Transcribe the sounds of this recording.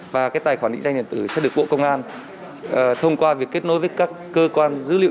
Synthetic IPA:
vaː˨˩kaː˨˦jt̪aː˨˩jxwaː˧˩ɗḭ̈˧˥ŋza˧jŋɗ̪i˨ənt̪ɨ˧˩sɛ̰˧˥ɗɨ˨˩ək̚ɓo̰˧˨kə˧wŋ͡mʔaː˧n | ʔt̪ʰə˧wŋ͡mkwaː˧vi˨˩əkːe˦˥t̚no˨˦jvəː˨˦jkaː˦˥kːəː˧kwaː˧nzɨ̰˧˥lḭ˧˨

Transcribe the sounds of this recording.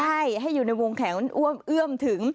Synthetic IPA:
a˧˩jɦa˧˩jzu˨˩naː˧jmo˧˩ŋkʰaː˨˦ŋʔu˧˩əmʔɨ˧əmt̪ʰɨ˩˦əŋ

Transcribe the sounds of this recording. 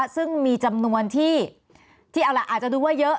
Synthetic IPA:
sɯ˥˩ŋmiː˧t͡ɕa˧mnu˧ənt̪ʰiː˥˩ | t̪ʰiː˥˩ʔa˧wla˦˩ʔaː˨˩t͡ɕa˨˩duː˧waː˥˩jɤ˦˥

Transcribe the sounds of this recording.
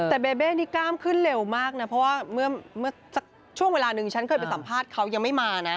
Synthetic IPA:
t̪ɛː˨˩beː˧beː˥˩niː˦˥kaː˥˩mkʰɯ˥˩nle˧wmaː˥˩k̚na˦˥pʰɾɔ˦˥waː˥˩mɯ˥˩ɐmɯ˥˩sa˨˦˩k̚ | t͡ɕʰu˥˩əŋweː˧laː˧nɯ˨˩ŋt͡ɕʰa˦˥nkʰɤː˧jpa˧nsa˩˦mpʰaː˥˩t̪̚kʰa˦˥wja˧ŋma˥˩jmaː˧na˦˥

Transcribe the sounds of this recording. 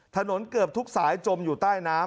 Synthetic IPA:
t̪ʰa˧no˩˦nkɯ˨˩əp̚t̪ʰu˦˥k̚saː˩˦jt͡ɕo˧mjuː˨˩t̪aː˥˩jnaː˦˥

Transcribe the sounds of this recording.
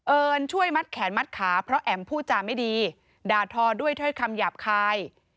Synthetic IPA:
ʔɤː˧nt͡ɕʰu˥˩əjma˦˥t̪̚kʰɛː˩˦nma˦˥t̪̚kʰaː˩˦pʰɾɔ˦˥ʔɛ˨˩mpʰuː˥˩t͡ɕaː˨˩ma˥˩jdiː˧ | daː˧t̪ʰɔː˧du˥˩əjt̪ʰɤː˥˩jkʰa˧mjaː˨˩p̚kʰaː˧j

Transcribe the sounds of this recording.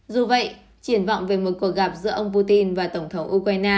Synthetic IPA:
zu˨˩və̰˧˨j | t͡ɕi˧˩ənva̰˧˨wŋ͡mve˨˩mo˨˩t̚ku˧˩ək̚ɣa˨˩p̚zɨ̰˧˥əʔə˧wŋ͡mp̬u˧t̪i˧nvaː˨˩t̪ə˧˩wŋ͡mt̪ʰə˨˦wŋ͡mʔu˧kwaː˧jnaː˧

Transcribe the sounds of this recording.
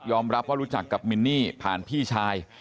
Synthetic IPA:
jɔː˧mɾa˦˥p̚waː˥˩ɾuː˦˥t͡ɕa˨˩kːa˨˩p̚mi˧nːiː˥˩pʰa̰ː˨˩npʰiː˥˩t͡ɕʰaː˧j

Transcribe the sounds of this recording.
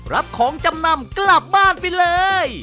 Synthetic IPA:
ɾa˦˥p̚kʰɔː˩˦ŋt͡ɕa˧mna˧mkla˨˩p̚baː˥˩npa˧jlɤː˧j

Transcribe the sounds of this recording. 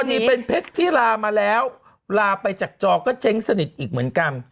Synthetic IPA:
ɔ˧niː˧˥pe˧npʰe˦˥k̚t̪ʰiː˥˩laː˧maː˧lɛː˦˥w | laː˧pa˧jt͡ɕaː˨˩k̚t͡ɕɔː˧kɔː˥˩t͡ɕʰe˦˥ŋsa˧ni˨˩t̪̚ʔiː˨˩k̚mɯ˩˦ənka˧n

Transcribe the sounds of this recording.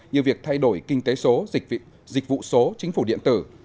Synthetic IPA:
ɲi˨əvi˨˩ək̚t̪ʰa˧jɗo˧˩jkï˧ŋ̟t̪e˨˦so˨˦ | zï˨˩k̟̚vṵ˧˨so˨˦t͡ɕï˨˦ŋ̟fu˧˩ɗḭ˧˨ənt̪ɨ˧˩

